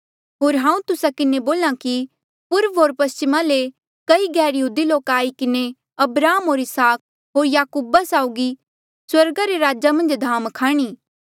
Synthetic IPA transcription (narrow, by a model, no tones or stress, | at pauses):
ɦoːɾɦãːũt̪ʊsakɪneboːlãki | pʊɾpʰɦoːɾpɐst͡ʃɪmale | kɐiɡɛːɾjəɦuːd̪iloːkaːikɪne | ɐbɾaːmɦoːɾɪsaːk̚ | ɦoːɾjaːkuːbasaːʊɡi | swɐɾɡaɾeɾaːd͡ʒamɐ̃nd͡ʒd̪ʱaːmkʰaːɽ̃iː